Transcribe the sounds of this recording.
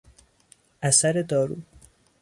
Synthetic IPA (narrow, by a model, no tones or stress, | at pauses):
ʔæsæɾe̞d̪ɒːɾuː